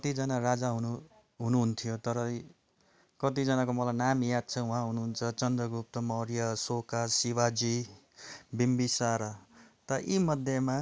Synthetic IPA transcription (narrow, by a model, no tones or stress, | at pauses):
kʌt̪id͡zʌnarad͡zaɦunu | ɦunuɦunt̪ʰijot̪ʌɾʌ | kʌt̪id͡zʌnakomʌlajnamjad̪̚t͡sʰʌũɦãɦunuɦːnt͡sʰʌt͡sʌnd̪rʌɡɾup̚t̪ʌmʌɾjʌsokasiwad͡zi | bimbisaɾʌt̪ʌʌʔimʌd̪ʱjʌma